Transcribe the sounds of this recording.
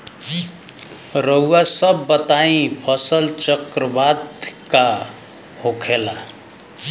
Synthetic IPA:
ɾʌuwasʌbːʌt̪aĩpʰʌsəlt͡ʃʌkɾəbad̪ka | hokʰela

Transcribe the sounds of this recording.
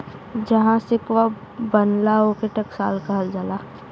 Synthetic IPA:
d͡ʒɐɦãsɪkʋa | bənlaokeʈəksa̰ːlkəɦəld͡ʒala

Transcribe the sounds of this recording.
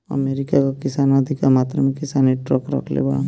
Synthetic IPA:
ə̰meːɾɪkakakɪsaːnad̪ʱikamaːt̪ɾamẽkɪsaːniʈɾɔ̰kɾə̰kʰlḛbɐɽa̰

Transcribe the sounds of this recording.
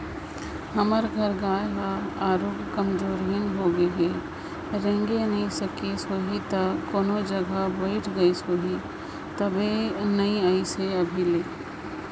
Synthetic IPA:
həməɾɡʱɐɾɡaːjɦaaːɾoːɡkəmd͡ʒoːɾinɦoɡəɦe | ɾẽŋɡenɐɦĩsɐkisoːɦit̪ɐkoːnod͡ʒəɡabɐɪʈʰɡɐisoːɦi | t̪ɐbenɐiaiseɐbʱileː

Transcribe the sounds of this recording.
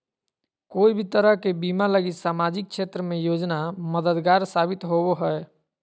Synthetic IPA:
koːibʱit̪əɾəɦkebimaləɡisaːmad͡ʒik̚ʃʰet̪ɾəmẽjoːd͡ʒnaməd̪əd̪ɡaːɾsabit̪ɦobɦəɛ

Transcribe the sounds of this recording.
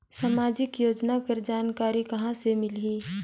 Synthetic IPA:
samaːd͡ʒɪkjoːd͡ʒnapɐɾd͡ʒaːnkaːɾikɐɦãsemɪliː

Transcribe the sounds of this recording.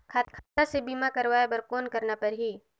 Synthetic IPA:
kʰat̪kʰaːt̪asebiːmakɐɾʋaːebɐɾkoːnkɐɾnapɐɾɦiː

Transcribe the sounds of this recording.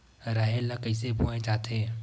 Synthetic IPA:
ɾaːɦelːakəɪsebʱoẽt͡ʃaːt̪ẽː

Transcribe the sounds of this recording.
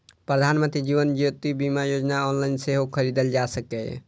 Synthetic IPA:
pɾəd̪ʱanmə̃nt̪ɾid͡ʒiʋənd͡ʒot̪ibimajod͡ʒnaɔnlaɪnseɦokʰəɾid̪əld͡ʒasəkɛ

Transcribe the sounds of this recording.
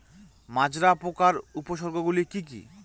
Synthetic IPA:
mad͡ʑɾapokaɾupoʃɔɾɡʱoɡulikik̬ḭ

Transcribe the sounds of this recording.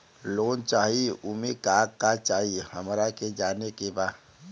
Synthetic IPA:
loːnt͡ʃaːɦiʊmikaːkkat͡ʃaːɦihəmɾaked͡ʒaːnekebaː

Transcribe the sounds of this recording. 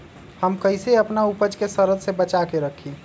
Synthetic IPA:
həmkəɪseəpnaupəd͡ʒkesəɾəd̪sebət͡ʃakeɾəkʰi

